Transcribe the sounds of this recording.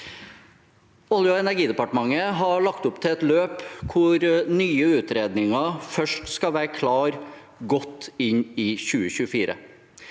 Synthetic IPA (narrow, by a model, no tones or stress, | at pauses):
ʊljʊɛnæɾɡiːd̪ɛpɑʈəmɑŋːəɦɑɭɑkt̪ʊpt̪ʰɪɛt̪løːpkʰʊɾnyːəʉːt̪ɾeːd̪nɪŋɑfœʂʈskɑʋæːɾəkʰlɑːɾ | ɡɔt̪ːɪɲɪːçʉːəçʉːəfiːɾə̰